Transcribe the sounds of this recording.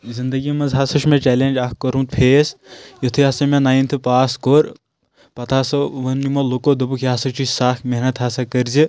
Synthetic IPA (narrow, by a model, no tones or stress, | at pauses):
zind̪ɐɡimɐnzɦasɐʃʰmẽt͡ʃɛːleːnʲd͡ʒɐkkɐɾũnt̪pʰeːsjot̪ʰɨɐːsɐmẽnaːint̪ʰɨpaːskoːɾ | pɐt̪ʰaːsɐʋɐnnimolukod̪ɐbukʰjaːsɐt͡ʃusaːkmeɦnɐt̪ɦaːsɐkɐɾzi